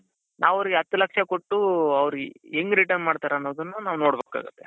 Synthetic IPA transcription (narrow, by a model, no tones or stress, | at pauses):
nʔaːʋɐʋɾiɡeɦɐt̪ːulɐkʂakoʈːuɐʋɾueŋɡɾiʈɐɾnmaːɖt̪aːɾɐnːoːd̪ɐnːunaːʋuno̞ːɽbeːka̰ːɡut̪ːe